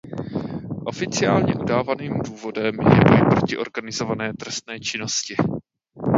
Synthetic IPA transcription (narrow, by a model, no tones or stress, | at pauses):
ʔo̞fɪt͡sɪaːlɲɛʔudaːvaniːmduːvo̞dɛmjɛ̰vojpɾo̞cɪʔo̞ɾɡanɪzo̞vanɛːt̪ɾɛst̪nɛːt͡ʃɪno̞scɪ